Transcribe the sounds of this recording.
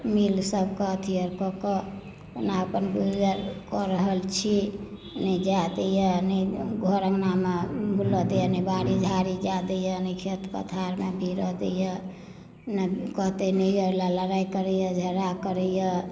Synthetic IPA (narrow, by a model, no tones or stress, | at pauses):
milsəbkɔt̪ʰijəɾkɔkɔ | naəpənɡud͡ʒəɾkɔɾəɦəlt͡ʃʰi | nəid͡ʒad̪ejɔnəɡʱoɾəŋnamebʱulɔd̪ejənəbaɾid͡ʒʱaɾid͡ʒad̪əjɔnəkʰet̪pə̰t̪ʰaɾmebʱiɾɔd̪ḛjɔ | nəkɔɦt̪enəjɔlaləɾajkəɾəjɔd͡ʒʱəɾakəɾəjɔ